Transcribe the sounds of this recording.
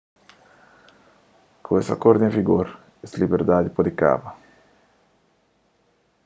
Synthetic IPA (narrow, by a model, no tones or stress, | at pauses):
kʰoesa̰koɾd̪ẽfiɡoɾ | eslibeɾd̪ad̪ipod̪ika̰bɐ